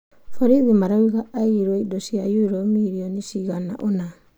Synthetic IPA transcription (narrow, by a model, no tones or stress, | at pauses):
foɾidimaɾaiɡaːjɾuojdosiajuiɾomiɾionisiɡana̰ʔona